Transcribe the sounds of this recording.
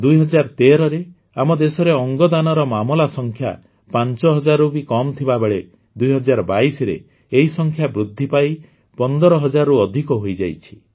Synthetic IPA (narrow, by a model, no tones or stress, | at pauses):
d̪ujɦɔd͡ʒaɾt̪eɾɔɾe | amɔd̪esɔɾeɔŋɡɔd̪anɔɾɔmamɔlasɔŋkʰja̰ | pant͡ʃɔɦɔd͡ʒaɾubikɔmt̪ʰibabeɭe | d̪ujɦɔd͡ʒaɾɔbaisɔɾḛ | eɦisɔŋkʰjabɾud̪ʱːipai | pɔnd̪ɔɾɔɦɔd͡ʒaɾuɔd̪ʱikɔɦojd͡ʒajt͡ʃʰi̥